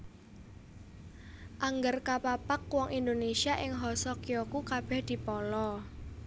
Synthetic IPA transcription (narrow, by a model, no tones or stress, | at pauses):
ʔaŋɡərkapapakwɔŋʔind̪onesiaʔɪŋɦɔsɔkiɔkukab̥ɛhd̪̥i̤pɔlɔ